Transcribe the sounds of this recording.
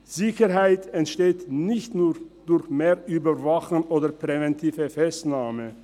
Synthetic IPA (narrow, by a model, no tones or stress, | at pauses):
z̥ɪçəɦaɪtɛntʃteːtnɪçtnuːd̥ʊɾçmeːɾʔyːbɐvaxənoːdɐpʁɛvɛntʰiːvəfɛstnaːmə